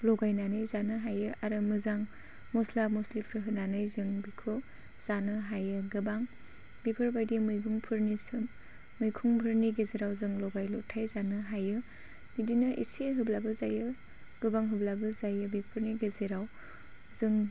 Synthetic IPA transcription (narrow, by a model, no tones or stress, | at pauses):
lɔɡajnanɯjzanɯɦajɯʔaɾɯmɯzaŋ | mɔslamɔslipʰɾɯɦɯnanɯjzɯŋbikʰo | z̥anɯɦajɯɡɯbaŋ | bipʰɯɾbajdimɯjɡuŋpʰɯɾnisɯmː | ɯjkʰuŋpʰɯɾniɡezeɾawzɯŋlɔɡajlɔtʰːajzanɯɦajɯ | midinɯʔḭseɦɯblabɯzajɯ | ɡ̥ɯbaŋɦɯblabɯzajɯbepʰɯɾniɡezeɾaw | zɯŋ